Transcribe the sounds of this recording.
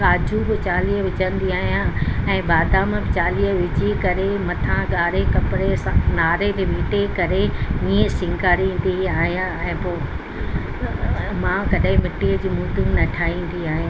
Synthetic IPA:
kaːd͡ʑʱubɪt͡ɕaːliːɦəʋɪt͡ɕə̃nd̪iaːɦijãɛ̃ːbaːd̪amẽbɪt͡ɕaːliɦəʋɪd͡ʑikɐɾemɐt̪ʰãɡaːɾekɐpɪɾesãnaːɾet̪eʋiːʈekɐɾeĩːə̃sɪ̃ŋɡaːɾĩːnd̪iaːɦijãɛ̃ːpoː | mãkɐɗɦẽmɪʈid͡ʑiːmuːt̪unnɐʈʰaːĩːn̆d̪iaːɦijã

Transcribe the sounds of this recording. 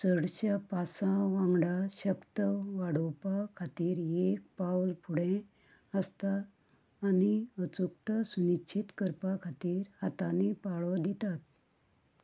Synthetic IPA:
səɽɕjapasãʋãŋɡɽaɕəkt̪əʋaɽowpakʰat̪iːɾek̚pawlpʰuɽẽ | əst̪aː | niət͡suk̚t̪əsuniɕʰit̪kəɾpakʰat̪iːɾhat̪ãnipaɭɔd̪it̪at̪̚

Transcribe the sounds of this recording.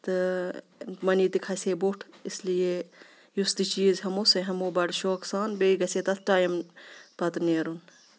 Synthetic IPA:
t̪ɨ | mɐniːt̪ikʰɐseːboʈʰislije | just̪it͡ʃiːzɦɐmoseɦɐmoːbɐɖʃoːksaːnbeːiɡɐseːt̪ɐt̪ʰʈaːjɐmpɐt̪neːɾun

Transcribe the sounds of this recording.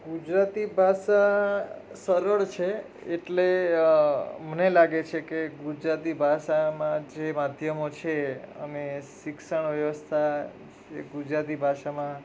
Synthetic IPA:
ɡud͡ʒɾat̪ibʱaʃa | səɾəɭt͡ʃʰe | eʈle | mənelaɡet͡ʃʰekeɡud͡ʒɾat̪ibʱaʃamãd͡ʒemad̪ʱjəmot͡ʃʰeə̰meʃɪkʃəɳʋjəʋəst̪ʰa | ḛɡud͡ʒɾat̪ibʱaʃamã

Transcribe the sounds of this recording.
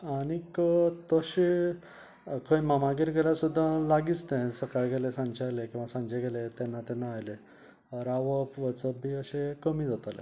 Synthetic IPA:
aɽ̃ikət̪əɕe | kʰə̃jmamaɡiɾɡɛljasud̪ʱːalaɡist̪ɛ̃səkaɭɡɛlesãnd͡ʑalekĩw̃ʋasãɲd͡ʑeɡɛlet̪ɛ̃nːat̪ɛ̃nːaːjle | ɔɾaʋəpʋət͡səbiəɕekəmiːd͡zʱat̪alḛ̃

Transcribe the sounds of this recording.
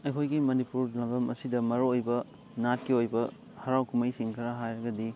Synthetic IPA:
ɐjkʰojɡimɐnipuɾlɐbɐmɐsidɐmɐɾoojbɐ | nat̚kiojbɐ | hɐɾawkʰumɐjsiŋkʰɐɾɐɦajɾɐɡɐdi

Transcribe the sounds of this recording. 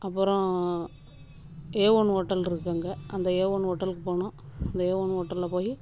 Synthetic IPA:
ɐpːɯɾɔ̃ | eːʋoːɳɦoʈːɐlɪɾɯkːaːŋɡɐʔɐnd̪ɐeːʋoːɳɦoːʈːɐlɯkːɯpoːɳʊ̃ɐnd̪ɐeːʋoːɳɦoːʈːɐllɐpoːji

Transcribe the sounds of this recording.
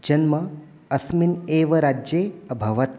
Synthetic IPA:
d͡ʒɐnmɐ | ɐsmineːʋɐɾaːd͡ʒjeːɐbʱɐʋɐt̪̚

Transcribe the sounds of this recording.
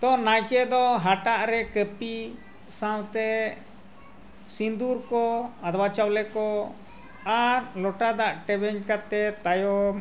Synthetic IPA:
t̪ɔnajkɛd̪ɔɦaʈaʔɾɛkəpi | sãwt̪ɛ | sind̪uɾkɔad̪bat͡ʃawlɛkɔ | aɾlɔʈad̪aʔʈɛbɛɲkat̪ɛt̪ajɔ

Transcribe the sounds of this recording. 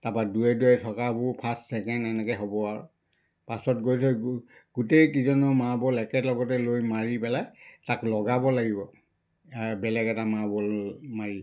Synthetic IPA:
tapaduɛdɛɹɛtʰɔkabʊpʰastsɛkɛndɛnɛkɛɦɔbɔaɹ | pasɔtɡojsɔ | ɡ̥utejkizɔnɔmabɔlɛkɛtlɔɡɔtɛlojmaɹipɛlajtaklɔɡabɔlaɡibɔ | bɛlɛɡɛtamabɔlmaɹi

